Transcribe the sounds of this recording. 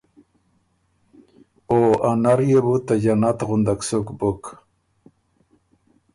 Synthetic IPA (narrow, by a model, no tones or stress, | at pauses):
oanaɾjebut̪ad͡ʑanat̪ɣʊnd̪aksukbok